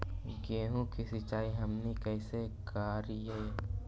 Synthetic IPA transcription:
ɡeːɦũkisit͡ʃaːiɦɐmnikɛɪsekaːɾieː

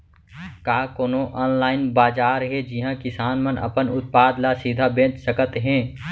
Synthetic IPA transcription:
kaːkoːnoʔɔːnlaːɪnbaːd͡ʒaːɾɦɛd͡ʒɪɦãkɪsaːnmənʔɐ̰pənʊt̪̚paːd̪lasid̪ʱabẽːt͡ʃsəkət̪ɦɛ̃ː

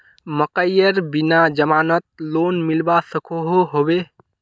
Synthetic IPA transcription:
məkəjəɾbinad͡ʒəmaːnət̪̚lonmilbasəkʰoɦoɦobe

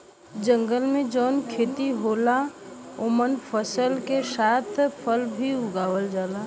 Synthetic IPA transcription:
d͡ʒə̃ŋɡəlmẽd͡ʒɔːnkʰeːt̪iɦoːla | ʊmənpʰəsəlkesaːt̪ʰpʰəlbʱiʊɡaːwəld͡ʒaːla

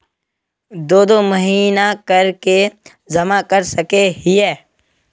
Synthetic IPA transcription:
d̪oːd̪omɐɦiːnakɐɾke | zɐmakɐɾsɐkeɦiɛː

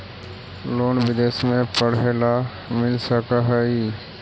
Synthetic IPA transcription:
loːnbɪd̪eːsmẽpəɽela | mɪlsəkaɦɛi

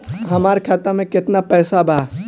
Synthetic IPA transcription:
ɦɐmaːɾkʰaːt̪amẽkɪt̪napɛːsabʱaː

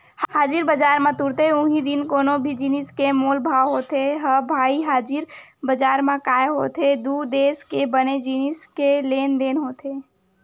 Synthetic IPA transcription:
hhaːd͡ʒɪɾbəd͡ʒaːɾmãt̪ʊɾt̪eʊ̃ɦid̪ɪnkoːnõbʱid͡ʒinɪskemoːlbʱaːwɦoːt̪eɦəbʱaːiɦaːd͡ʒɪɾbəd͡ʒaːɾmãkaːeɦo̰ːt̪ʰed̪ud̪eːskebəned͡ʒinɪskeleːnd̪eːnɦoːt̪ʰeː

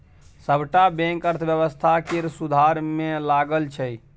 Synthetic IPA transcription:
səbʱʈabɛ̃ŋkəɾt̪ʰəbjəβəst̪ʰakeɾsud̪ʱaɾmelaɡəlt͡ʃʰɛ

